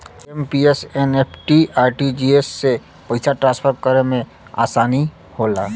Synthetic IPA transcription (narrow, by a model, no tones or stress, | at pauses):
empiesenepʰʈiaːɾʈid͡ʒiesːe | pəɪsaʈɾãːnspʰəɾkəɾemẽ | a̰ːsaːni | hola̰ː